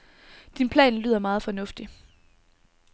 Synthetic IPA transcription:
d̥inpʰlɛ̰ːnly̰ːðˠɐmɑ̈ːð̞̩ˠfɒ̽nɔ̽fd̥i

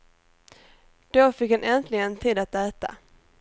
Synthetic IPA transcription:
d̪̥ofɪkhanʔɛnt̪lɪɡənt̪ʰiːd̪at̪æːt̪a̰

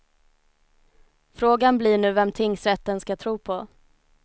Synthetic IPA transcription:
fɾoːɡanblɪɳʉ̟ːvɛmt̪ʰɪŋsɾɛt̪ːənskat̪ʰɾuːpʰɔ

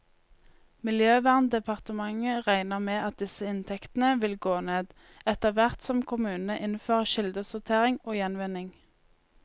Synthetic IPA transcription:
mɪljøːʋæːʁnd̪ɛpʰɑʁt̪əmɑŋəʁæɪnəʁmeːʔɑt̪̚d̪ɪsəɪnt̪ʰɛkt̪n̩əʋɪlɡoːneːd̪ | ɛt̪əʋæʁt̪sɔmkʰʊmʉːnəʔɪnføːʁəʃɪld̪əsʊʁt̪ʰeːʁɪŋoːjɛnʋɪnɪŋ

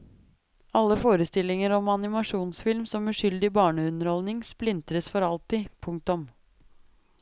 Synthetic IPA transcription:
ɑlːəfoːɾəst̪ɪlːɪŋəɾɔmɑnɪmɑʂuːnsfɪlmsɔmʉːʂʏld̪ɪbɑːɳəʉnəɾhɔlnɪŋsplɪnt̪ɾəsfɔɾɑlt̪ɪpʰʊŋk̚t̪ʊm

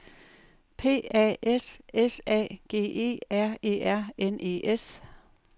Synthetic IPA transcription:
pʰe̝̰ːɛ̰ːʔesesɛ̰ːɡ̥e̝̰ːe̝̰ːæɐ̰e̝̰ːæɐ̰enʔe̝̰ːʔes

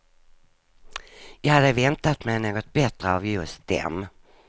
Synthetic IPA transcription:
jɑːhad̪ːəvɛnt̪at̪mɛjnoːɡɔt̪̚bɛt̪ɾəavjɵst̪̚d̪̥ɛ̰m

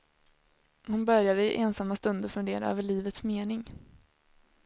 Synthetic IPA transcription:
hʊnbœɾjad̪əɪʔɛnsamːast̪ɵnd̪əɾfɵnd̪eːɾa̰ø̰ːvəɭiːvət̪smeːnɪŋ

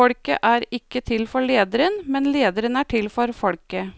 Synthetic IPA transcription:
ɔɽkə̰ʔæːɾɪkːət̪ʰɪlfɔɭeːd̪əɾənmɛnleːd̪əɾənæːʈʰɪlfɔɾfɔɽkə

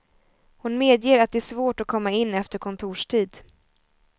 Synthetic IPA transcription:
hʊnmeːd̪jeːɾat̪̚d̪ɛæːʂsvoːʈɔkʰɔmːaɪnːɛft̪əɾkʰɔnt̪ʰuːʂʈʰiːd̪

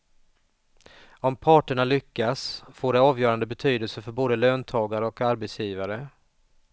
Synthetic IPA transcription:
ɔmpʰɑːʈəɳalʏkːasfoːɖɛɑːvjœːɾand̪əbɛt̪ʰyːd̪əlsəɾfœɾboːd̪əløːnt̪ʰɑːɡaɾəɔkaɾbɛt̪sjiːvaɾə

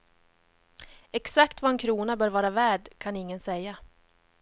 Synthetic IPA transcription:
ɛksakt̪vaɛnkʰɾuːnabœːɾvɑːɾavæːɖkʰanɪŋːənsɛjːa

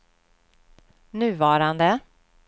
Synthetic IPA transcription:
nʉ̟ːvɑːɾand̪ə

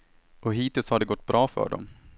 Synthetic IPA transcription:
ʔɔɦiːt̪ɪlshaɖɛɡɔt̪ːbɾʔɑːfœ̰ːɖɔ̰m

